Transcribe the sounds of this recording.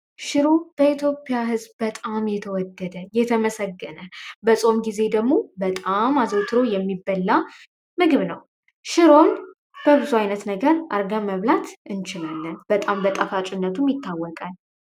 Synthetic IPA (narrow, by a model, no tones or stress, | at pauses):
ʃɪɾo̞b̥əit̪ʰjo̞pʼːijaɦɨzbbət̪ʼamjɛt̪ʰəwɔd̪ːəd̪əjɛt̪ʰəməsəɡːənəbəsʼo̞mɡize̞d̪əɡmo̞bət̪ʼamazəwt̪ʰɨɾo̞jɛmːibːəlːa | mɨɡɨβnəw | ʃɪɾon | b̥əβɨzuajnət̪nəɡəɾʔa̰ɾɡaməβlat̪ʰʔɨnt͡ʃɪlalːɨb̥ət̪ʼambət̪ʼafat͡ʃʼɪnːət̪ʰumjɪt̪ʰːawːɔkʼal